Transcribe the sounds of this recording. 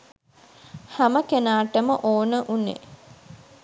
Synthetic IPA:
haməkenaːʈəməʔoːnəʔunːḛ

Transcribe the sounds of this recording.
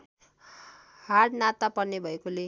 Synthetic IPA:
haɾnat̪apʌrnːebʱʌekole

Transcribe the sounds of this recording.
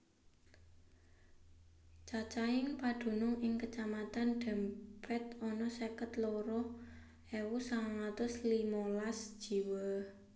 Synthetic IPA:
t͡ʃat͡ʃaɪŋpad̪̥ṳnʊŋɪŋkət͡ʃamat̪anɖ̥ɛ̤mpɛt̪ɔnɔsekət̪loɾɔ | ɛwusaŋaŋat̪ʊslimɔlasd̥ʒ̥i̤wə

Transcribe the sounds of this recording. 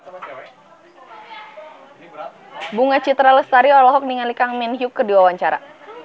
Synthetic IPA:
buŋat͡ʃit̪ɾaləst̪aɾiɔlɔɦɔk̚niŋalikaŋmɛnɦiukːərdiwawaɲt͡ʃaɾa̰

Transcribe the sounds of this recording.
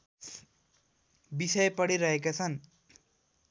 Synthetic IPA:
bisʌjpʌɽiɾʌɦekat͡sʰʌn

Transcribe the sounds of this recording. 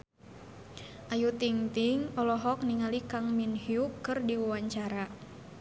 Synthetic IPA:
ʔajut̪iŋt̪ɪŋɔlɔɦɔk̚niŋalikaŋminhiukːɨrdiwuwaɲt͡ʃaɾa

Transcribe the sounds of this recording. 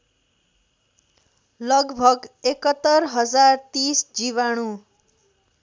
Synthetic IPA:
lʌɡbʱʌɡekʌt̪ːʌrɦʌd͡zart̪isd͡ziβaɽ̃u

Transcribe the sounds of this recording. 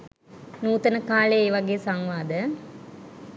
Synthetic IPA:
nuːt̪ənəkaːleeːʋaɡeːsaŋʋaːd̪ə

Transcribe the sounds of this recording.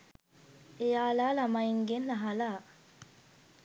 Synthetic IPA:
ejaːlaːlamaiŋɡenlaɦalaː

